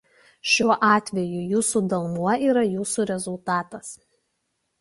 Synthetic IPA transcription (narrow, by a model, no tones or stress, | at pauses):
ʃʲuɔʔɑːt̪ʲʋʲɛjujuːsud̪ɐlˠnuɔiːɾɐjuːsuɾʲɛzʊlˠt̪ɑːt̪ɐs